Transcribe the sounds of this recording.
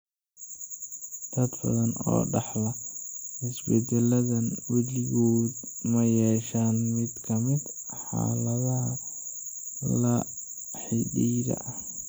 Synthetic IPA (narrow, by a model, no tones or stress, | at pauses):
d̪̥ɐd̪bɐ̰ðɐnɔ̰ːɖɑħlɐhɪsbɛd̪ɛlɐðɐnwɐd͡ʒɪɣɔːd̪mɐjɛːʃaːnmɪd̪kʰɐmɪd̪ | ħɑ̰ːlɐðɐɦɐ | lɐ | ħɪdiːɾɐ̰ʔɐ